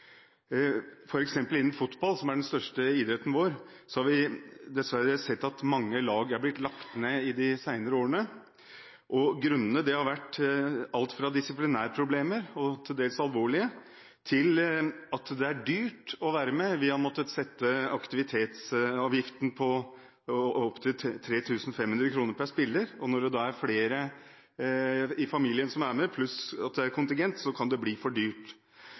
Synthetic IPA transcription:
fɔɾɛksɛmpəlɪnːn̩fʊt̪bɑlsɔmæɖɛnst̪œʂʈəɪd̪ɾɛt̪n̩ʋoːɾ | sɔhɑɾʋɪd̪ɛsʋæɾəsɛt̪ːɑt̪mɑŋːəlɑːɡæɾblɪt̪lɑkt̪neːɪd̪ɪsæɪnəɾəoːɾəɳə | ʔɔɡɾʉnːənəd̪ɛhɑɾʋæʈːɑlt̪fɾɑd̪ɪsɪplɪnæːɾpʰɾʊbleːməɾɔt̪ʰɪld̪eːlsɑlʋoːɭɪə | t̪ʰɪlɑt̪d̪ɛæɖyːʈɔʋæːɾəmɛʋɪɑnmɔt̪ːəsɛt̪ːəɑkt̪ɪʋɪt̪ʰeːt̪sɑːʋjɪft̪npʰɔ | ɔɔpt̪ʰɪlʰt̪ʰɾeːt̪ʰʉːsn̩fɛmhʉnd̪ɾəkʰɾuːnəɾpʰæʂpɪlːəɾɔnɔɖɛd̪ɑːæɾfleːɾə | ɪfɑmiːlɪənsɔmæɾmɛpʰlʉsɑt̪̚d̪ɛæɾkʰʊnt̪ɪŋɡɛnt̪sɔkʰɑnd̪ɛbliːfɔɖyːʈ

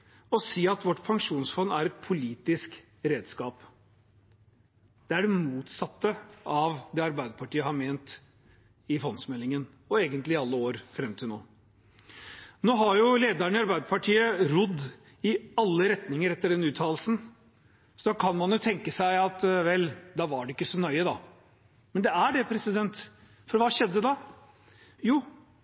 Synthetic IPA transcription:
ɔsiːɑt̪ʋɔʈːpʰɑŋʂuːnsfɔnːæɾɛt̪̚pʰʊliːt̪ɪsk | ɾeːd̪skɑːp | d̪̥ɛæɖɛmuːt̪sɑt̪ːəʔɑʋd̪ɛːɑɾbæɪd̪əpʰɑʈʰiːəhɑɾmeːnt̪ | ɪfɔnsmɛlːɪŋən | ɔeːɡənt̪lɪɑlːəoːɾfɾɛmt̪ʰɪlnoː | noːɦɑɾjʊleːd̪əɳɪɑɾbæɪd̪əpɑʈʰiːəɾʊd̪ː | ɪɑlːəɾɛt̪nɪŋəɾɛt̪ːəɖɛnʉːt̪ʰɑːl̩sn̩ | sɔd̪ɑkʰɑnmɑnjʊt̪ʰɛŋkəsæɪɑt̪ʋɛlːd̪ɑʋɑɖɛɪkːəsɔnœʏəd̪ɑ | mɛnd̪ɛæɖɛpʰɾɛsɪd̪ɛnt̪ | fɔɾʋɑːʂɛd̪ːəd̪ɑ | juː

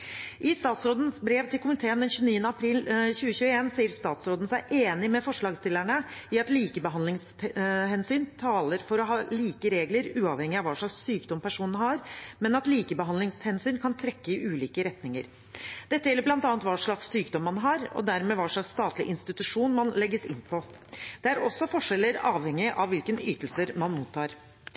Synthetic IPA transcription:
ʔɪst̪ɑːt̪sɾoːd̪ən̩sbɾeːʋt̪ʰɪlkʊmɪt̪ʰeːənd̪ɛnçʉːəniːənəɑpʰɾiːlçʉːəçʉːəeːnsiːəɾst̪ɑːt̪sɾoːd̪ən̩sæɪʔeːnɪmɛfɔʂɭɑːɡst̪ɪlæɳəɪɑt̪liːkəbəɦɑnlɪŋs | hɛnsyːnt̪ʰɑːləɾfɔɾɔɦɑːliːkəɾeːɡləɾʉːɑʋhɛŋːɪɑʋɑːʂɭɑkssyːkd̪ɔmpʰæʂuːnnɦɑɾmɛnɑt̪liːkəbəɦɑnlɪŋshɛnsyːnkʰɑnt̪ʰɾɛkːəɪʔʉːliːkəɾɛt̪nɪŋəɾ | d̪̥ɛt̪ːəjɛlːəblɑnt̪ɑːnt̪ʋɑʂɭɑksːyːkd̪ɔmːɑnɦɑɾɔ̰d̪æɾmɛʋɑʂɭɑksːt̪ɑːt̪lɪʔɪnst̪ɪt̪ʉʂuːnmɑnlɛɡːəsɪ̰npʰɔ | d̪̥ɛæɾɔsːɔfɔʂɛlːəɾɑːʋhɛŋɪʔɑʋʋɪlkənyːt̪əl̩səɾmɑnmuːt̪ʰːɑːɾ

